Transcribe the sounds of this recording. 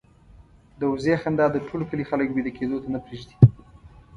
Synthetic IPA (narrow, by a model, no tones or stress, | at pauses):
d̪əwʊzexand̪ɑd̪əʈʰolokəlixaləkbed̪aked̪ot̪anapɾeʒd̪i̥